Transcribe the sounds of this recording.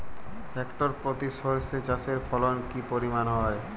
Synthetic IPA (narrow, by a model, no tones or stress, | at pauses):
ɛkʈoɾpɾot̪iʃoɾset͡ɕaseɾfʰɔlonkipoɾimanɦɔe